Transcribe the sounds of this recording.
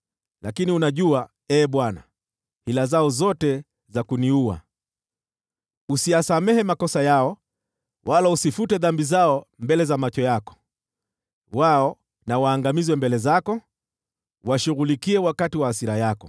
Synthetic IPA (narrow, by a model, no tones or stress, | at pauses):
lakiniunaʄua | ɛːɓwana̰ | hilazaɔzɔtɛ | zakuniua̰ | usiasamɛhɛmakɔsajaɔ | wʔalausifutɛðambizaɔmbɛlɛzamat͡ʃɔjakɔ̥ | waɔ | nawaːŋɡamizwɛmbɛlɛzakɔ | waʃuɣulikiɛwakatiwaːsiɾajakɔ